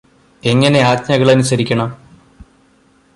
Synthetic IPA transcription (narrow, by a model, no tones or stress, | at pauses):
e̞ŋːɐne̞aːt̚ɲɐɣɐɭɐnusɐɾikʲːɐɳɐm